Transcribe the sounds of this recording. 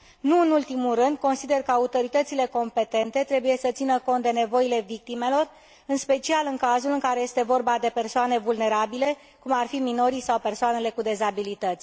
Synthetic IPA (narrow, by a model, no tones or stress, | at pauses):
nuɨnult̪imulrɨnd̪̚ko̞nsid̪e̞rkəaut̪o̞ɾit̪ət̪sile̞ko̞mpe̞t̪e̞nt̪e̞t̪ɾe̞buje̞sət̪sinəko̞nt̪̚d̪e̞ne̞vo̞ile̞vik̚t̪ime̞lo̞r | ɨnspe̞t͡ʃialɨŋkazulɨŋkaɾe̞je̞st̪e̞vo̞rbad̪e̞pe̞rsoane̞vulne̞ɾabile̞ | kumarfimino̞ɾisawpe̞rsoane̞le̞kud̪e̞zabilit̪ət̪sʲ